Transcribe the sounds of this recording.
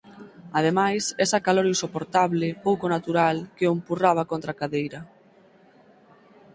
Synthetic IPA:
að̞emajsɛsakaloɾinsopoɾt̪aβlɪpowkonat̪uɾalkeompuraβ̞akont̪ɾakaðejɾɐ

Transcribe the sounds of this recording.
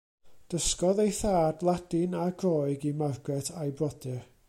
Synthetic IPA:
d̥əskɔðejθaːdlˠad̥ɪnaɡrɔːɨɡimarɡɛtʰajbrɔdɨr

